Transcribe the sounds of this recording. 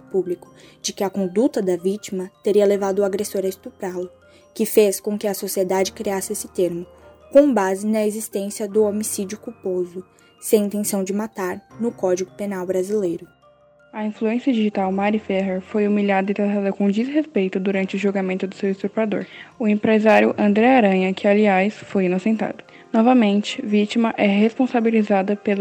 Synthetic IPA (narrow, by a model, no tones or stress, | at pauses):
publikʊ̥d͡ʒɪkɪɐkõnd̪ut̪ɐd̪ɐvit͡ʃimɐt̪eɾiɐlevad̪ʊaɡɾesoɾɐest̪upɾalʊ | kɪfeskõkɪɐsosied̪ad͡ʒɪkɾiasɪesɪt̪eɾmʊkõbazɪnɐezist̪ẽsiɐd̪ʊomisid͡ʒʊkupozʊ | sẽj̃ĩnt̪ẽsɐ̃w̃d͡ʒɪmat̪aɾnʊkɔd͡ʒiɡʊpenawbɾazilejɾʊ | ɐĩfluẽsijɐd͡ʒiʒit̪awmaɾifɛɦeɾfojumiʎad̪ɐɪit̪ɾat̪ad̪ɐkõd͡ʒisɦespejt̪ʊd̪uɾɐ̃nt͡ʃɪʊʒoɡamẽnt̪ʊd̪ʊsewɪst̪uɾpad̪o̰ɾʊẽpɾezaɾjʊʔɐ̃nd̪ɾɛaɾɐ̃ɲɐkɪaliajsfojinosẽnt̪a̰d̪ʊ | nɔvɐmẽnt͡ʃɪ̥vit͡ʃimɐʔɛɦespõsabilizad̪ɐpel